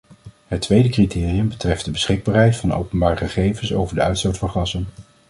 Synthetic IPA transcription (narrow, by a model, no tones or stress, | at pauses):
ɦətːʋejdəkritʰɪːriəmbətrɛfdəbəsχɪɡ̚baːɹɦɛjtfɑno̰wpənbaːrχəχejvənso̰wvəɹdəœɥtstowtfɑnχɑsən